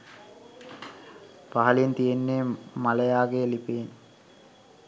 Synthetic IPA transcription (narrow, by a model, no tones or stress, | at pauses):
paɦalint̪ijenːeːmalejaːɡeːlipeːn